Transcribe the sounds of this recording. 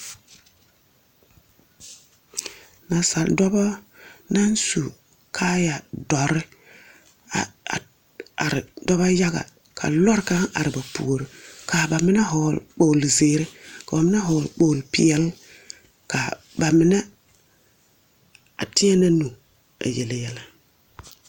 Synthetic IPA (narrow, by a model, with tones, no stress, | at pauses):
na˨sa˨ldo˦ba˦na˦nsu˨ | kʰa˦ja˨dɔ˨ɾɪ˦ | a̰˨ | a̰˨ɾɪ˨do˦ba˦ja˦ɡa̰˨ | kʰa̰˨lo˦ɾka˦ŋa̰˨ɾɪ˨ba˨pṵː˨ɾi˨kʰa˨ba˨mi˦na˦ɦoː˨lk͡po˨lzeː˨ɾe˦ka˨ba˨mɪ˦na˦ɦo˨lk͡poː˨lpḭ˨ɛ˦l | ka˨ | ba˨mi˦ne˦ | a̰˨ti˦a˦na˦nu˨ | a̰˨je˨le˨jɛ˦la˦